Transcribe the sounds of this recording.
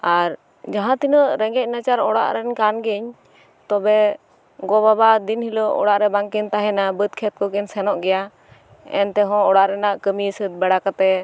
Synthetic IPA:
aɾ | d͡ʒaɦãt̪inəʔɾɛŋɡɛc̚nat͡ʃaɾɔɽa̰ʔɾɛnkanɡɛɲ | t̪ɔbɛ | ɡɔbabad̪inhilɔʔɔ̰ɽaʔɾɛbaŋkɛnt̪aɦɛnabət̪̚kʰɛt̪̚kɔkɛnsɛnɔʔɡɛja | ɛ̰nt̪ɛɦɔ̃ɔɽaʔɾɛnaʔkəmisət̪̚bɛɽakat̪ɛ

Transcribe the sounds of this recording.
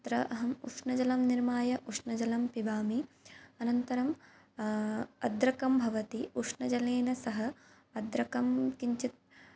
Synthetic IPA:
t̪ɾɐʔɐɦɐmṵʂnɐd͡ʒɐlɐmniɾmaːjɐʔuʂnɐd͡ʒɐlɐmpibaːmiɐnɐnt̪ɐɾɐm | ɐd̪ɾɐkɐmbʱɐʋɐt̪iuʂnɐd͡ʒɐleːnɐsɐɦɐː | d̪ɾɐkɐmkiɲt͡ʃit̪̚

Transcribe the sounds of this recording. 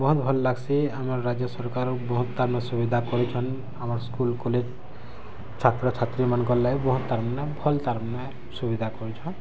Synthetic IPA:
bɔɦut̪bʱɔlːaɡsiamaɹːad͡ʒjɔsɔɹkaɾbɔɦut̪ːaɾmnɛsubid̪ʱakɔɾit͡ʃʰɔn | amaɹskulkɔled͡ʒ | t͡ʃʰat̪ɾɔt͡ʃʰat̪ɾimankɔllajbɔɦũt̪ːaɾmanɛbʱɔlt̪aɾmanɛ | subid̪ʱakɔɹit͡ʃʰɔn

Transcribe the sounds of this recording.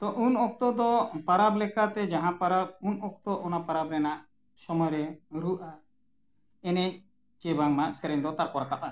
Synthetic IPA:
t̪ɔʔunɔk̚t̪ɔd̪ɔpaɾablɛkat̪ɛd͡ʒaɦãpaɾab̚unɔkt̪ɔʔɔnapaɾabɾɛnaʔ | sɔmɔjɾɛɾuʔa | ɛnɛ | t͡ʃɛbʱaŋmaʔsɛɾɛɲd̪ɔt̪aɾkɔɾak̪ap̚a

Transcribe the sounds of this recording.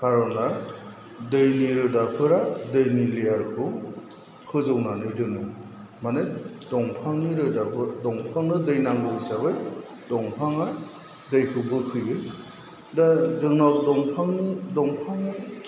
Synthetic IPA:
kʰaɾɔna | dɯjniɾɯdakʰɯɾadɯjnilijaɾkʰɯ | kʰɯzɯwnanɯjdɯnɯ | mane | dɔŋpʰaŋniɾɯdabɯdɔŋpʰaŋnɯdɯjnaŋɡɯsaβɯj | dɔŋpʰaŋa | dɯjkʰɯbɯkʰɯjɯ | dazɯŋnawdɔŋpʰaŋnɯdɔŋpʰaŋɯ

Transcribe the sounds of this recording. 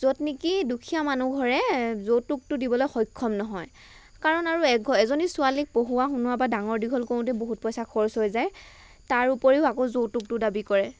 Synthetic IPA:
zotnikidukʰijamanuɡʱɔɹɛzowtuk̚tʊdibɔlojxɔjkʰːɔmnɔɦɔj | kaɹɔnaɹuɛk̚ɡʱɔɛzonisʊalik̚poɦuwaxunuwabadaŋɔɹdiɡʱɔlkõtɛboɦut̚pɔjsakʰɔɹsojzaj | taɹupoɹiʊakozotːuk̚tʊdabikɔɹɛ

